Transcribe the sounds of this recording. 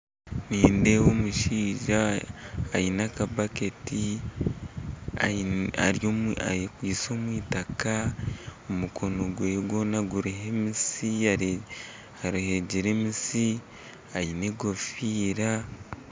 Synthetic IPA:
niːnde̞womuʃiːʒaː | jinakabaketi | aa̰ɾjoa̰ekwiːso̞mwiːtakaomukʰo̞no̞ɡweːjɡwo̞ːnaɡuɾiɦemisia | aɾuhe̞ɟeɾe̞misi | ajine̞ɡo̞fiːɾa

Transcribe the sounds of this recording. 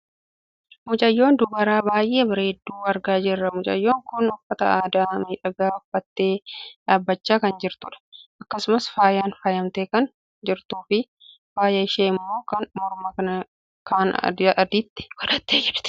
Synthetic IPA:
mʊt͡ʃʼɐjːo̞ːnd̪ʊbɐɾaːbaːjʔeːbɐɾeːd̪ːuːɐɾɡaːd͡ʒɪrːɐmʊt͡ʃʼɐ̰jːo̞ːŋkʊnʊfːɐt̪ɐ̰aːd̪aːmiːᶑɐɡaːʊfːɐt̪ːe̞ːᶑaːbːɐt͡ʃːaːkɐnd͡ʒɪɾt̪ʊᶑɐ̥ʔɐkːɐsʊmɐsfaːjaːnfɐjɐmt̪eːkɐn | d͡ʒɪɾt̪uːfɪ | faːjɐɪʃeːɪmːo̞ːkɐnmɔɾmɐkɐnɐ | kʰaːnʔɐd̪iːt̪ːɪ̥kɔᶑɐt̪ːeːd͡ʒɛᶑt̪

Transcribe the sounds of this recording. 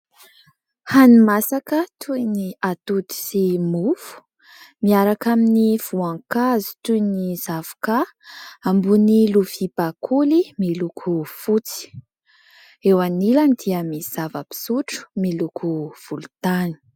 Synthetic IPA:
hanimasakət̪ʰujniat̪ut̪i̥simufu̥ | miaɾakaminiv̥uaŋkazi̥t̪ujniz̥avu̥ka | ambunilufibakʰulimilukʰufut͡si̥ | ewanilanid̪iəmiz̥avəpi̥suʈ͡ʂu̥milukʰuv̥ulut̪ani̥

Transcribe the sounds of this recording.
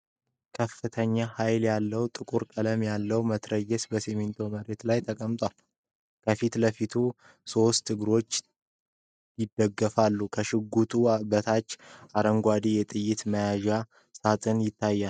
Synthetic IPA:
kʰəfːɨt̪ʰəɲːahajljalːəwt̪ʼɨkʼuɾkʼələmjalːəwmət̪ʰɾəjɛsbəsemint̪ʰo̞məɾe̞t̪lajt̪ʰəkʼəmt̪ʼwal | kʰəfit̪ləfit̪ʰu | so̞st̪ʰːɨɡɨɾo̞t͡ʃː | jɪd̪əɡːəfalːukʰəʃɪɡːut̪ʰʼubət̪ʰat͡ʃːaɾəŋɡʷad̪ijɛt̪ʼɨjːɪt̪məjaʒa | sat̪ʼɨnjɪt̪ʰːajːal

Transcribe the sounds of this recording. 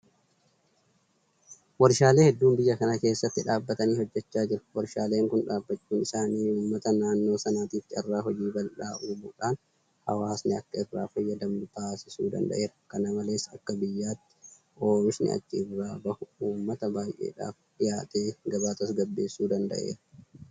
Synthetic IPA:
wɐɾʃaːle̞ːhɛd̪ːuːmbɪjːɐkɐnɐke̞ːsːɐt̪ːɪᶑaːbːɐt̪ɐniːhɔd͡ʒːɛt͡ʃːaːd͡ʒɪɾɐ̥wɐɾʃaːleːŋkʊnᶑaːbːɐt͡ʃːuːnɪsaːniːuːmːɐt̪ɐnaːnːo̞ːsɐnaːt̪iːt̪ːɪɐrːaːɦɔd͡ʒiːbɐlᶑaːʔuːbuːᶑaːn | hɐ̰waːsnɪɐkːɐɪrːaːfɐjːɐd̪ɐmnʊt̪aːsɪsuːd̪ɐ̰nd̪ɐ̰ʔe̞ːɾɐkɐnɐmɐle̞ːsːɐkːɐbɪjːaːt̪ːɪ̥ | o̞ːmɪʃnɪ̰ʔɐ̰t͡ʃːɪːrːaːbɐhʊuːmːɐt̪ɐbaːjʔḛːᶑa̰ːfᶑɪjaːt̪ʼeːɡɐbaːt̪ɐsɡɐbːe̞ːsːuːd̪ɐnd̪ɐ̰ʔe̞̰ːɾɐ

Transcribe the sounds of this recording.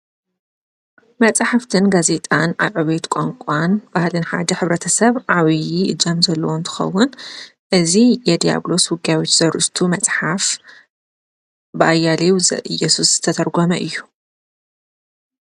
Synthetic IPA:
mɐt͡sʼħaft̪ʰɨnɡaze̞t̪ʼana̰βʕɨβet̪kʼaŋkʷʼanb̥ahlɨnħa̰d̪ɐħɨβɾɐt̪ʰɐsɐβʕaβijiɨ̰d͡ʒɐmzɐlːɐwont̪ʰɨ̥xɐ̰wːʊnʔɨzijɛd̪ija̰blo̞swʊɡjawot͡ʃz̥ɐɾʔt̪ʰumɐt͡sʼħaf | bɨʔajːalewzɐ̰ʔɨjɛsusz̥ɨt̪ʰɐt̪ʰɐɾɡomɐʔɨjːu

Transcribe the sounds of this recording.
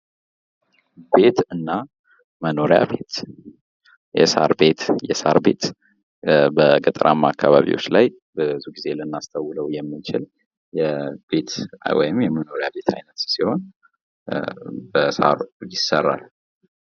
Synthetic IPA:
be̞t̪ɨnːa | məno̞ɾja̰be̞t̪ | jɛ̰sa̰ɾbe̞t̪jɛsa̰ɾbe̞t̪ | bəɡət̪ʼɾʔa̰mːakːaβaβḭwo̞̰t͡ʃːlaj | bəzuɡize̞lɨnːast̪ʰawːləwjɛmːɨnt͡ʃɪl | jɛbe̞t̪wɔ̰jɪmjɛməno̞ɾjabe̞t̪ʰajnət̪siho̞n | bəsa̰ɾjɪsːərːa̰l

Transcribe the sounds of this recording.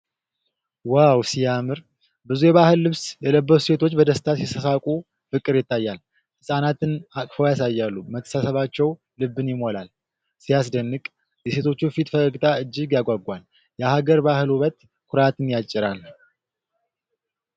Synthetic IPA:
wawsijamɨɾ | bɨzujɛβahɨlːɨβsjɛləbːəuse̞t̪ʰo̞t͡ʃːbəd̪əst̪ʰasisəsakʼu | fɨkʼːɨɾjɪt̪ːajːal | hɨsʼanat̪ɨnakʼfəwjasajːalːumət̪ʰːə̥sasəβat͡ʃːɛw | lɨbːɨnjɪmo̞lal | sijasd̪ənːɨkʼ | jɛse̞t̪ʰo̞t͡ʃːufit̪fəkʼəɡt̪ʰaɨd͡ʒːɪɡjaɡʷaɡʷal | jahaɡəɾbahɨlhuβət̪ | kʷʰʊɾat̪ʰɨnjat͡ʃʼːɪɾal

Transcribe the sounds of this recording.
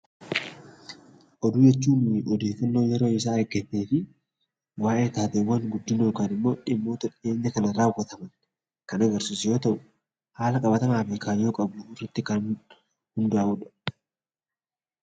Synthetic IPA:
ʔɔd̪uːjɛt͡ʃːuːnʔɔd̪e̞ːfːɐnːo̞ːjɛɾo̞ːɪs̬aːɐɾɡɛt̪ːeːfɪ | waːʔeːt̪aːt̪ewːɐŋɡʊd̪ːɪnoːkaːnɪmːo̞ːᶑɪmːo̞ːt̪ɐᶑe̞ːɲːɐkɐnɐɾaːwːɐt̪ɐmɐn | kɐnɐɡɐɾsuːsjo̞ːt̪ɐʔʊ | haːlɐkʼɐbɐt̪ɐmaːfɪkʰaːjo̞ːkʼɐbʊɪrːɐt̪ːɪkɐn | hʊnd̪ʊaːʊᶑɐ̥

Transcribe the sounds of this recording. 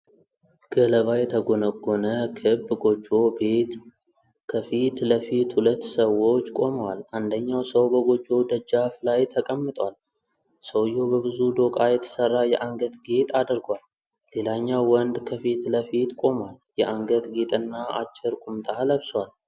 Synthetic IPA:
ɡ̥ələβajɛt̪ʰəɡonəɡːonəkʰɨbɡo̞d͡ʒːo̞bet̪ | kʰəfit̪ləfit̪hulət̪ːsəwot͡ʃːkʼo̞məwalʔand̪əɲːawsəwbəɡo̞d͡ʒʼːo̞d̪əd͡ʒːaflajt̪ʰəkʼəmːɨt̪ʼwal | səwjo̞bəbɨzud̪o̞kʼajɛt̪ʰə̥sərːajɛʔaŋɡət̪ɡet̪ʼad̪əɾɡwalː | e̞laɲːawːɔnd̪kʰəfit̪ləfit̪kʼo̞mwaljɛʔaŋɡət̪ɡet̪ʼɨnːaa̰t͡ʃːɪɾkʼumt̪ʼaləβswal

